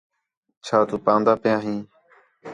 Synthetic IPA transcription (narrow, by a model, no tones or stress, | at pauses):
t͡ʃʰaːt̪uːpãːnd̪aːpɪjãːɦĩː